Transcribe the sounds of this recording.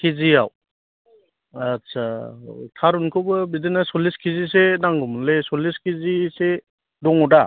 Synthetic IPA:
kʰiziaw | asatʰaɾunkʰobɐbidinasɔliskʰizisenaŋɡumunlesɔliskʰizise | dɔŋɔda

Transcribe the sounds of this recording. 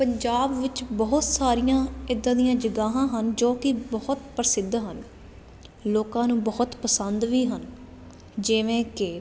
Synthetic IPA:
pəɲd͡ʒaːbʋɪt͡ʃbɔɦʊt̪saːɾijãːɪd̪ãːd̪ijãːd͡ʒəɡaːɦãːɦənd͡ʒoːkɪbɔɦʊt̪pɾəsɪd̪ɦən | loːkãːnũːbɔɦʊt̪pəsənd̪ʋiːɦən | d͡ʒɪʋẽːkɪ

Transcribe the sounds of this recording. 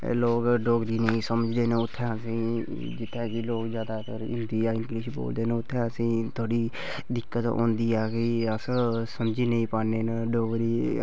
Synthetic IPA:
loːkɖoːɡɾiːnəĩːsəməd͡ʒd̪eːneʊt̪ʰːɛ̃ːəsĩː | d͡ʒɪt̪ʰːɛ̃ːkɪloːkzjaːd̪aːt̪əɾɪ̰ɾd̪iːaɪŋklɪʃbo̰ːld̪eːneʊt̪ʰːɛ̃ːəsĩːt̪ʰoːɽiː | d̪ɪkːət̪õ̰ːnd̪iːɛːkɪəsəlsəmd͡ʒiːnəĩːpaːneːnɖoːɡɾiː

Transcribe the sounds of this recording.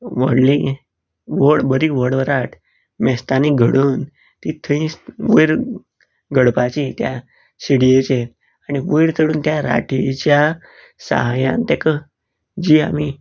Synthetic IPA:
ʋəɽli | ʋəɽbəɾiʋəɽʋəɾaʈʰ | mɛst̪aniɡʱəɽuːn | t̪it̪ʰəĩsʋəjɾ | ɡʱəɽpat͡ɕit̪ja | siɽijet͡ɕe | aniʋəjɾt̪ʰəɽuːnt̪jaɾa̰ʈʰit͡ɕja | sa̰ɦajã̰nt̪ɛkə | d͡ʑiːa̰mi

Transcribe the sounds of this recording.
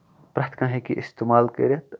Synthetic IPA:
pɾat̪ʰkãːɦekḭʔɪst̪emaːlkḛɾɐt̪

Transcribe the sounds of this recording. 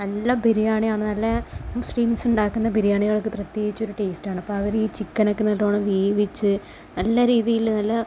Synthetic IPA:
nɐlːɐbʱiɾijaːɳijaːɳɨnɐlːɐsʈiːmsuɳɖaːkːunːɐbʱiɾijaːɳiɣɐɭkːɨprɐt̪jeːɡit͡ɕːo̞ɾuʈeːstaːɳɨɐpːo̞ːɐʋiɾiːt͡ɕikːɐnɐkːɨnːɐlːoːɳɨʋiːʋit͡ɕːɨ | nɐlːɐɾiːðijilnɐlːɐ

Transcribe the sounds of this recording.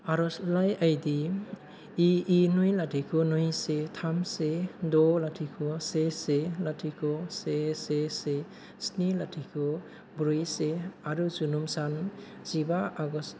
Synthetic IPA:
aɾɔslajajdiː | nujlatʰikʰɔnujsetʰamsedɔlatʰikʰɔseselatʰikʰɔsesese | snilatʰikʰɔ | bɾujseaɾuzunumsan | zibaaɡɔs

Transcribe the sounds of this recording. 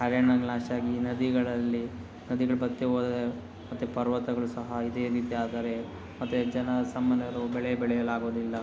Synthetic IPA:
ɦɐɾjɐɳaɡnaːʃaːɡinɐd̪iɡɐɭɐlːi | nɐd̪iɡɐɭubɐt̪ːiʋoːd̪de | mɐt̪ːupɐɾʋɐt̪ɐɡɐɭusɐɦɐid̪eːɾiːt̪iaːd̪aːɾe | mɐt̪ːed͡ʒɐnɐsɐmːɐnːɐɐɾubɛɭɛjɐbɛɭɛjɐlaːɡoːd̪ilːɐ

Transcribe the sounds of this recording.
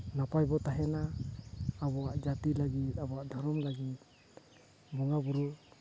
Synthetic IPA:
napajbɔt̪aɦɛnaː | bɔad͡ʒat̪ilaɡiabɔad̪aɾɔmlaɡi | mɔŋabuɾu

